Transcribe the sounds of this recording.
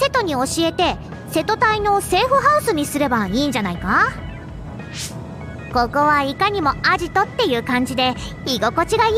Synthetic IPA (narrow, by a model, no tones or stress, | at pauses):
se̞t̪o̞ɲ̟io̞ɕie̞t̪e̞ | se̞t̪o̞t̪aino̞se̞ːɸɯ̟ɦaɯ̟sɨɲ̟isɨɾe̞baiːɲd͡ʑanaika | ko̞ko̞βaikaɲ̟imo̞aʑit̪o̞t̪ːe̞jɯ̟ːkãɲ̟d͡ʑid̪e̞ | iɡo̞ko̞t͡ɕiɡa